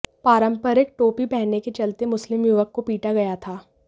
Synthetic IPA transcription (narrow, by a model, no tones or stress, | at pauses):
paːɾə̃mpəɾɪk̚ʈoːpipɛɦneket͡ʃɐlt̪emʊslɪmjuʋəkːopiːʈaɡɐjat̪ʰaː